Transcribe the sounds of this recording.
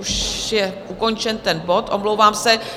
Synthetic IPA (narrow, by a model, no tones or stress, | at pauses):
uʃjɛʔuko̞nt͡ʃɛnt̪ɛnbo̞t̪ʔomlowvaːmsɛ